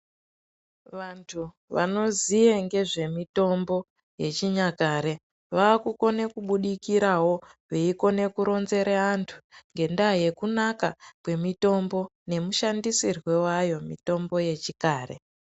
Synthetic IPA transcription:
ʋantʰu | ʋa̰no̞zijeŋɡe̞ʐe̞mito̞mbo̞ | je̞̰t͡ʃiɲakaɾe̞ | ʋaːkuko̞ne̞kuɓuɗikiɾawo̞ʋeiko̞ne̞kuɾo̞nze̞ɾeantʰuŋɡe̞ndaje̞kunakakwe̞mito̞mbo̞ne̞muʃandisirwe̞wajo̞mito̞mbo̞je̞t͡ʃikaːre̞̰

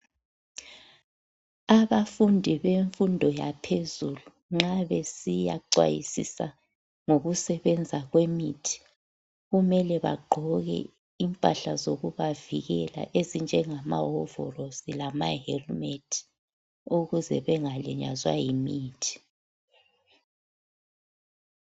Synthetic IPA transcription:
aβafundʱiβeɱfundʱɔjapʰezulu | ŋ͡ǁaβesija̰ǀwa̰jḭsḭsa | ŋoɣusɛβɛnd͡zʱaɣwemitʰi̥ | ɣumɛlɛβa̰ɡ͡ǃʱɔɣɛ̰ | impʼaɬazoɣuβaviɣɛla̰ʔezind͡ʒʱɛŋamaɦɔvɔ̰rosilamaɦɛlmetʰi̥ | uɣuzɛβɛŋaliɲa̰zwajimiːtʰi̥

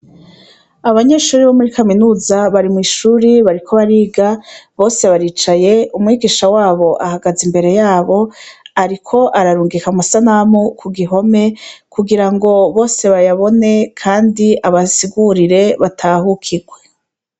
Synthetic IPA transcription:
aβaɲe̞ʃuːɾiβo̞muɾikaminuːzaβaɾimiːʃuːɾiβaɾikʰo̞βaɾiːɡaβo̞ːse̞βaɾiːt͡ʃaje̞umŋiːɡiːʃawaːβo̞ʔahaɡazimbe̞ɾe̞jaːβo̞aɾikʰo̞ʔaɾaɾuːŋɡikamasanamukʰuɡiɦo̞me̞kʰuɡiɾaŋɡo̞βo̞ːse̞βajaβo̞ne̞kʰaːndiʔaβasiɡuɾiɾe̞βatʰahukʰiɡwe̞

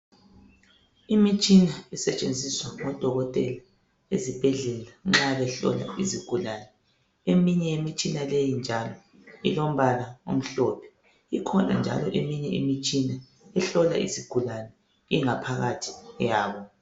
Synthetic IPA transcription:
imit͡ʃʼinaisɛt͡ʃʼend͡zʱiswaŋɔd̥ʱɔɣɔtʼɛla | ezib̥ʱɛɮɛlaŋ͡ǁaβɛɬɔ̰la̰iziɡ̥ʱulaːnɛ | emiɲɛjemit͡ʃʼinalejind͡ʒʱalɔ | ilom̩βalaṵm̩ɬɔpʰɛ̥ | ikʰɔna̰nd͡ʒʱa̰lɔʔemiɲɛḭmit͡ʃʼina | ɛɬɔla̰ʔḭziɡ̥ʱulanɛ | iŋapʰaɣatʰi̥jaːβɔ

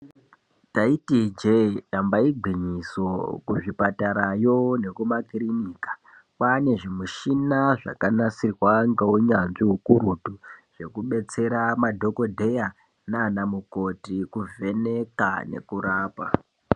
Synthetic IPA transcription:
taitid͡ʒeɗambaiɡ͡ǃʱiɲiso̞kuʐipataɾajo̞ne̞kumakiriniːkḁ | pane̞ʐimuʃinaʐa̰kanasirwaŋɡewuɲanʐiɦukuɾutuʐ̥e̞kuɓe̞t͡se̞ɾamadʱo̞ko̞dʱeja | nanamuko̞tikuve̞ne̞ka̰ne̞̰kuɾaːpa̰

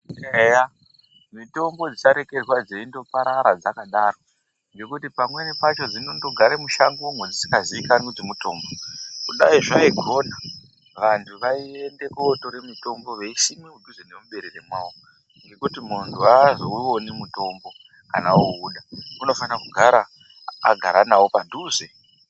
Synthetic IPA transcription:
eja | mito̞mbo̞d͡zit͡ʃaɾeke̞d͡zwad͡zeindo̞paɾaɾad͡zakaɗaro̞ | ŋɡe̞kutipamwe̞nipat͡ʃo̞d͡zinondo̞ɡʱaɾemuʃaŋɡuumwed͡zisi̥kaziːkanud͡zimuto̞ːmbo̞kuɗaiʐaiɡʱo̞na | ʋantʰuʋaie̞nde̞koto̞ɾe̞mito̞mbo̞ʋe̞iʃimiudʱuzene̞muɓe̞ɾiremwaːwo | ŋɡe̞kutimuntʰuazouonemuto̞mbo̞ | kanauːɗauno̞fanakuɡʱaɾa | a̰ɡʱaɾanawopadʱuːze

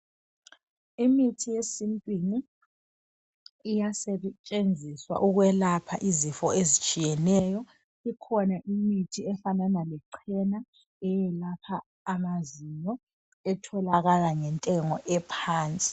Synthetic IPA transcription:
imitʰijesimpʼini | jasɛt͡ʃʼend͡zʱiswa̰ʔuɣwɛlapʰaʔizifɔezit͡ʃʼijɛnɛjɔ | ikʰɔnaʔimitʰiɛfananalɛǀʰɛna | ɛjɛlapʰaː | maziɲɔ | ɛtʰɔlaɣalaŋɛntʼɛŋɔʔɛpʰaːnt͡sʼi̥

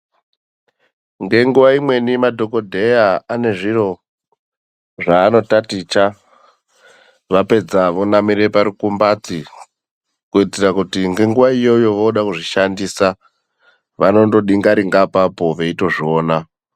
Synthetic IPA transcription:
ŋɡe̞ŋɡuʋaimwe̞nimadʱo̞ko̞dʱe̞jaane̞ʐiɾo̞ | ʐaːno̞tatit͡ʃa | ʋape̞d͡zaʋo̞namiɾe̞paɾukumbat͡si | kuitirakutiŋɡe̞ŋɡuʋaijo̞jo̞ʋoɗakuʐiʃandiːsa | ʋano̞ndo̞ɗiŋɡaɾiŋɡapapo̞ʋe̞ito̞ʐioːna

